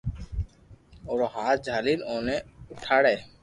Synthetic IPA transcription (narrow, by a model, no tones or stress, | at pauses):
oɾɔɦat̪̚d͡ʒʱalilɔ̃ːnɛuʈʰaɽɛ